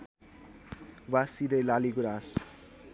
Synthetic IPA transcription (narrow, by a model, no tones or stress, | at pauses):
wasiɾelaliɡuɾas